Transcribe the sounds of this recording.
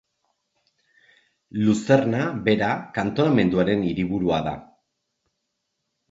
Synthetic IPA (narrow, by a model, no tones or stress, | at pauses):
luse̞rnaβe̞ɾakant̪o̞name̞nd̪uaɾe̞niɾiβuɾuaða̰